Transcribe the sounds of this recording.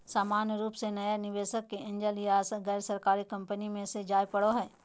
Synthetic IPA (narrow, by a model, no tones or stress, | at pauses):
saːmaːnjəɾuːpsenɐjanɪʋeːʃəkːeʔɪ̃nd͡ʒalijaːsɣɛːɾsɐɾkaːɾikɐ̃mpənimẽsed͡ʒaːjpɐɽoɦɛː